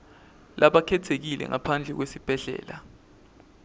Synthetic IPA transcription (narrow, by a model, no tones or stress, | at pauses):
lʔaɓakʰɛtʰek̬ilɛ̰ŋapʰand͡ɮʱɛk̬wesib̥ʱɛɮɛ̰ːla